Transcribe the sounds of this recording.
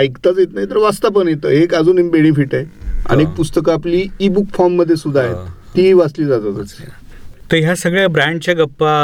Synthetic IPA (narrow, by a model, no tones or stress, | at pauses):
ajkt̪at͡sjet̪naɦjit̪əɾʋast̪ap̬ənjet̪ə̰ːekad͡zuːnembeɽĩfiʈaea̰ñiek̚pust̪əkaːpliːbukfɔɾmːəd̪ʱːjesud̪ʱːaɦḛt̪ː | iʋasliːd͡zad͡zat͡sat͡set̪əɾɦjasəɡɭjabɾãɳɖt͡ɕjaɡəpːa